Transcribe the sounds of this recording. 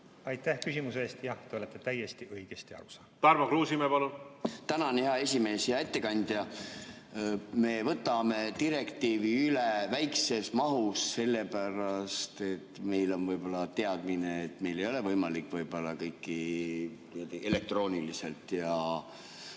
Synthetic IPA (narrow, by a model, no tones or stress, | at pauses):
ɑjt̪ːæhkysimuseeːst̪jɑht̪eo̞let̪ːˑet̪æjest̪iʔɤjɡ̥est̪iɑ̰ɾusɑːt̪æɾmɑkɾuːsimepɑnunt̪ænɑnheɑe̞s̬ʲime̞ːsjɑe̞t̪ːe̞kɑnʲd̪̥jɑ | me̞vɤt̪ːˑɑme̞t̪iɾe̞kt̪iːviylevæjkse̞smɑɦusse̞lːe̞pæɾɑst̪e̞t̪ːme̞jlo̞nvɤjb̥o̞lːɑt̪e̞ɑd̪̥mineːt̪me̞jle̞jo̞le̞vɤjmɑlikːˑvɤjb̥o̞lːɑkɤjkːit̪iæd̪iʔe̞le̞k̚t̪ro̞ːnʲilise̞lt̪jɑ